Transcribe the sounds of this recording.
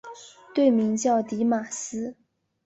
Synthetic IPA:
t̪we˥˩ɪmi˧˥ŋt͡ɕjɑ˥˩ʊt̪i˧˥ma˨˩sɹ̩˥

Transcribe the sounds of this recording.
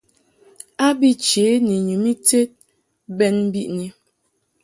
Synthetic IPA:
a˦bi˦t͡ʃe˨˦ni˨ɲu˨mi˦te˦t̚ | bɛ˦nm̩˦bi˦ʔni˨

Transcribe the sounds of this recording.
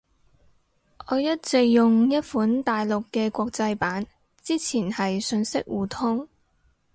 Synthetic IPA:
ʔɔː˨˧jɐ˥t̚t͡sɪ˨jʊ˨ŋjɐ˥t̚fuː˨˥nt̪aː˨jlʊ˨kːɛː˧kʷɔː˧k̚t͡sɐ˧jpaː˨˥n | t͡siː˥t͡sʰiː˨˩nhɐ˨jsɵ˧nsɪ˥k̚wuː˨˩t̪ʰʊ˥ŋ

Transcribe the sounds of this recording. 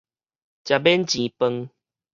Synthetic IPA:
t͡ɕja˨˩be˦nt͡ɕĩ˨pə˧ŋ

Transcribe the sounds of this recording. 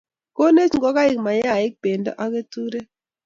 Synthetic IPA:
ko˦ne˦t͡ʃŋɡɔ˦ka˦i˨kma˨ja˦˨i˦k̚b̥e˨ndɔ̰˦ʔa˦ke˦tu˦ɾe˦

